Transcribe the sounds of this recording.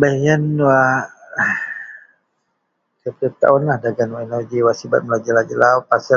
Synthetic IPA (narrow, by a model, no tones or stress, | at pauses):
bajanwa | səpɾit̪a̰unahdaɡanwainad͡ʒiwasiba̰t̪̚məlad͡ʒəlad͡ʒilaupasə